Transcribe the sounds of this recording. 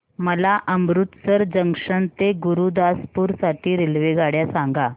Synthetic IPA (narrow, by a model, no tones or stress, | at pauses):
məlaʔəmɾut̪səɾd͡ʑəŋʂəɳt̪eɡuɾuːd̪aspuːɾsaʈʰiːɾelʋeɡaɽjasaŋɡa